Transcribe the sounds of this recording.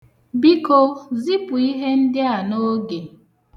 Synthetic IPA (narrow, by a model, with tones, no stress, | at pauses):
bi˦ko˦zi˦pu˨i˦ɦe˦n̩˦dɪ˦a˨no˦ɡe˨